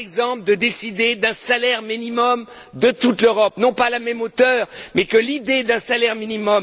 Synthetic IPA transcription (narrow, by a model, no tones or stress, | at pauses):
ɛɡzɑ̃pləd̪əd̪esid̪ed̪ɛ̃salɛʁminimɔm | d̪ət̪ut̪løʁɔp̚nɔ̃palamɛmot̪œːʁmɛkəlid̪ed̪ɛ̃salɛʁminimɔm